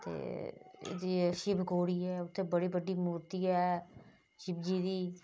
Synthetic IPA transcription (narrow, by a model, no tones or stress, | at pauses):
t̪ḛːḛd̪iːʃɪpɡoːɽiːɛːʊt̪ʰːẽːbəɽiːbəɖiːmuːɾt̪iːɛː | ʃɪbd͡ʒiːd̪iː